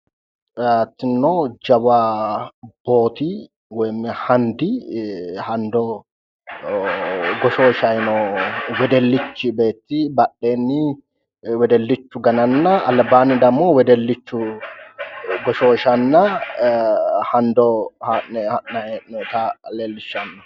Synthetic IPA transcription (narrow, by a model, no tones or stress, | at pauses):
at̪ːɪnːoːd͡ʒɐba | b̥o̞ːt̪i | wɛmːɛhɐnd̪i | hɐnd̪ɔ | ɡɔʃoːʃɐjnowɛd̪ɛlːɪt͡ʃːɪbe̞ːt̪ːɪbɐɗːeːnːɪ | wɛd̪ɛlːɪt͡ʃːʊɡɐnɐnːɐɐlbaːnːɪd̪ɐmːoːwɛd̪ɛlːɪt͡ʃːʊ | ɡɔʃoːʃɐnːɐ | hɐnd̪ɔhɐɛɐenɔt̪aleːlːɪʃːɐnːɔ